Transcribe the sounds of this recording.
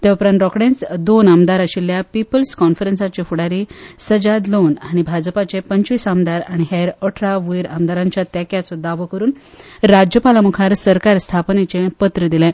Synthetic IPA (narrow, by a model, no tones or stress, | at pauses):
t̪eʋpɾanʈɾɔkɽẽnt͡sd̪onamd̪aɾaɕiljapipəlskɔnfəɾensat͡ɕefuɽaɾiːsəd͡ʑad̪lonaɽ̃ibʱad͡zpat͡ɕepəɲt͡ɕʋisamd̪aɾaɽ̃iɦɛɾəʈʰɾaʋujɾamd̪aɾãɲt͡ɕjat̪jakjat͡sɔd̪aʋəkəɾuːn | ɾad͡ʑjəpalamukʰaɾsəɾkaɾst̪ʰapnet͡ɕẽpət̪ɾəd̪ilɛ̃